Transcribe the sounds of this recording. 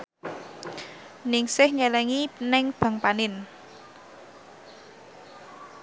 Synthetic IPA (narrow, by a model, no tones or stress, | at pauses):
nɪŋsɪhɲɛlɛŋinɛŋb̥ä̤ŋpanɪn